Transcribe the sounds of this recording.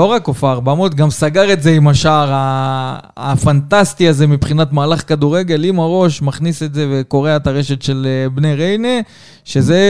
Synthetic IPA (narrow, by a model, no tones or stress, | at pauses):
lo̞ʁakːofaʁbamot̪ɡamsaɡaʁe̞tze̞imaʃaʁaː | fant̪ast̪iaze̞mipχinatmaːlaχkaduʁe̞ɡe̞limaʁo̞ʃmaχnise̞tze̞ve̞ko̞ʁeaetaʁe̞ʃe̞t̪ʃe̞lbneʁejne | ʃe̞ze̞